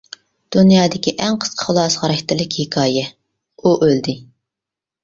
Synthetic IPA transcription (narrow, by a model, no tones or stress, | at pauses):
d̪̥unjɑːd̪ɪkʲiʔɛŋqʰə̥sqʰə̥χlˠɑsʁɑɾɛkʲt̪ɪlɪkʲhɪkʰɑːjɛ | uʔøld̪ɪ